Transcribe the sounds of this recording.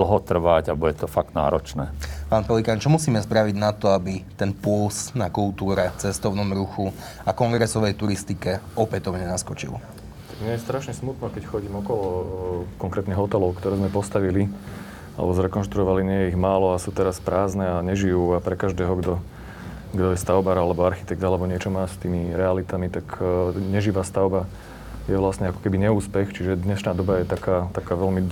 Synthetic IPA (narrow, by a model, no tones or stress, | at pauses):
l̩ɦɔt̪r̩ʋaɟabuɟɛt̪ɔfaɡ̚t̪na̰ːɾɔ̰t͡ʃnɛːpaːnpɔlikant͡ʃɔmusiːmɛspɾaʋiɟnat̪ɔabit̪ɛnpʊɔlsnakulˠt̪uːɾɛft͡sɛst̪ɔʊnɔmɾuxu | akɔŋɡɾɛsɔʋɛjt̪uɾist̪ikɛɔpɛt̪ɔʊɲɛnaskɔt͡ʃḭl | t̪aɡmɪɛjɛst̪ɾaʃɲɛsmut̪nɔkɛcxɔɟiːmɔkɔlɔkɔŋkɾɛːt̪niɦɔt̪ɛlɔʊkt̪ɔɾɛːzmɛpɔst̪aʋili | a̰lɛ̰bɔzɾɛkɔnʃt̪ɾuɔʋaliɲɪɛjɛiɣmaːlɔasuːt̪ɛɾaspɾaːznɛaɲɛʒijuːapɾɛkaʒd̪ɛːɦɔɡd̪ɔ | ɡd̪ɔjɛst̪aʊbaɾalɛbɔaɾxi̥t̪ɛk̚t̪alɛbɔɲɪɛt͡ʃɔmaːst̪iːmiɾɛalit̪amit̪akɲɛʒiʋaːst̪aʊba | jɛʋlasɲɛakɔ̥kɛbiɲɛuːspɛxt͡ʃiʒɛd̪ɲɛʃnaːd̪ɔbajɛt̪akaːt̪akaːʋɛlmi